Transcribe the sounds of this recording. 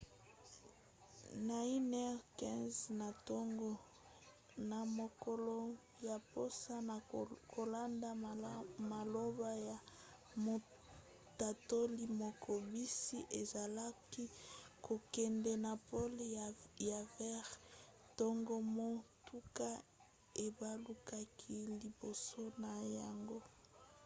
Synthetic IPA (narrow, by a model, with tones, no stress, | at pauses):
na˨i˦nɛ˦ʁkɛ̃˦nzna˨to˦ŋɡo˦ | na˨mo˨ko˨lo˦˨ | ja˨po˦sa˦na˨kʰo˨la˦nda˦˨ma˨lo˦ba˦ja˨ | mo˨ | ta˨to˦li˦mo˨kʰo˨bi˦si˦ʔe˨za˨la˦ki˦ko˨kɛ˨ndɛ˨na˨po˦lja˨vɛ˦ʁ | to˦ŋɡo˦mo˦tʰu˦ka˦ | e˨ba˦lu˦ka˦kʰi˦li˨bo˨so˦na˨ja˨ŋɡo˦